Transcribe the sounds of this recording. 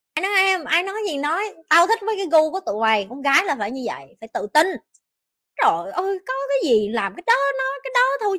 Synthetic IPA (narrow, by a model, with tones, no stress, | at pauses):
ʔaː˧jnɔ˨˦jʔɛ˧mʔaː˧jnɔ˨˦jzi˨˩nɔ˨˦jt̪aː˧wt̪ʰi˦˥k̚vəː˨˦kaː˨˦jɣu˧ku˧˩ət̪ṵ˧˨ha˨˩jkʊ˧˥˦ŋ͡mɣaː˨˦jlaː˨˩faː˧˩jɲɨ˧və̰˧˨jfaː˧˩jt̪ɨ̰˧˨t̪i˧n | zo˨˩jʔɨ˧jkɔ˨˦kaː˨˦jzi˨˩laː˨˩mkaː˨˦jɗɔ˨˦nɔ˨˦jkaː˨˦jɗɔ˨˦t̪ʰu˧